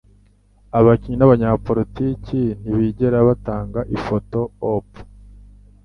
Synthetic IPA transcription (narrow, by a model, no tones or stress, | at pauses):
aβaciɲinaβaɲapo̞ɾiticin̥iβiɟe̞ɾaβataːŋɡaʔifo̞to̞op